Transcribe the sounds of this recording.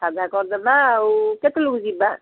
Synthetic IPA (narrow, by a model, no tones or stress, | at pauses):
sad̪ʱakɔɾd̪ɛbawket̪luɡziba